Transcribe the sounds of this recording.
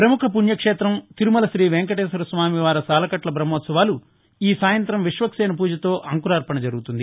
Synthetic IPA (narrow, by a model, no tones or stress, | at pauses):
pɾɐmukʰɐpuɳjɐkʂeːt̪ɾɐmt̪iɾumɐlɐʃɾiːʋeŋkɐʈeːsɐɾusʋaːmiʋaːɾɐsaːlɐkɐʈlɐbɾɐmoːt̪sɐʋaːlu | iːsaːjɐnt̪ɾɐmʋiʂʋɐksɛːnɐp̬uːd͡ʒɐt̪o̞ːʔɐŋkuɾaːɾpɐɳɐd͡ʒɐɾuɡut̪und̪i